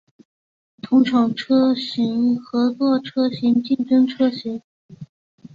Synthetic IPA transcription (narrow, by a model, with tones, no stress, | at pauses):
t̪ʰʊ˧˥ŋʈ͡ʂʰɑ˨˩ŋʈ͡ʂʰɤ˥ɕi˧˥ŋxɤ˧˥t͡swɔ˥˩ʈ͡ʂʰɤ˥ɕi˧˥ŋt͡ɕi˥˩nʈ͡ʂə˥nʈ͡ʂʰɤ˥ɕi˧˥ŋ